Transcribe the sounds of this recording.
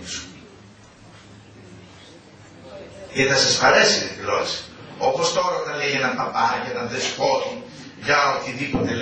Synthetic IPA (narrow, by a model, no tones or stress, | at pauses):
isu̥ | eθɐsɐsfɐɾesiiloesopost̪o̞ɾɐot̪ɐlejʝenɐnpɐpɐʝɐt̪ɐnðespot̪i | ʝɐot̪iðipot̪el